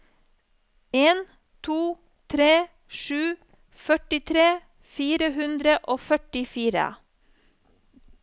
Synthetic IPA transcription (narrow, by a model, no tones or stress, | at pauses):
eːn | t̪ʰuː | t̪ʰɾeː | ʃʉː | fœʈɪt̪ʰɾeː | fiːɾəhʉnd̪ɾəʔoːfœʈɪfiːɾə̰